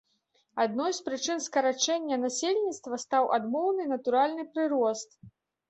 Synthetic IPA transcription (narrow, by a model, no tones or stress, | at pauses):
ad̪nɔjspɾɨt͡ʂɨnskɐɾat͡ʂɛnʲːɐnasʲelʲnʲit̪st̪vɐst̪awʔa̰d̪mɔwnɨnɐt̪uɾalʲnɨpɾɨɾɔst̪